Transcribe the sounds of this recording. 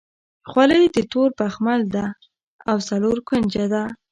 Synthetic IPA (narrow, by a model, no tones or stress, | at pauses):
xwaləjd̪ət̪oɾpaxmald̪a | awsaloɾkʊnd͡ʒad̪a